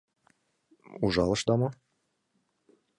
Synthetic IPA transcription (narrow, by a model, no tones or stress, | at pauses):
uʒɑlˠɤ̆ʃd̪ɑmɤ